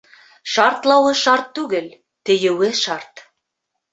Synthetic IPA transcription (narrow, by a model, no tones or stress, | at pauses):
ʃɑɾt̪lˠɑwɤʃɑɾt̪ːʉɡɘl | t̪ɘ̆jɘ̆wɘʃɑrt̪